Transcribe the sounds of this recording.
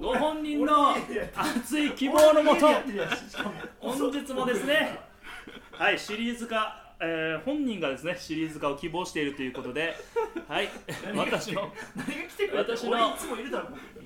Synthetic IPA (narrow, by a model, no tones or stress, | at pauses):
ɡoɦõ̞ɲːĩnːo̞at͡sɨikʲibo̞ːno̞mo̞t̪ot̪ːe | hõ̞ɲd͡ʑit͡sɨmo̞d̪e̞sɨne̞ | haiɕiɾʲiːzɨka | ehõ̞ɲ̟ːĩŋɡad̪e̞sɨne̞ɕiɾʲiːzɨkaokʲibo̞ːɕi̥e̞iɾɯ̟t̪o̞jɯ̟ko̞t̪o̞d̪e̞haiβat̪aɕino̞naɲiɡakʲi̥t̪ekβat̪aɕinomoiɾɯd̪aɾom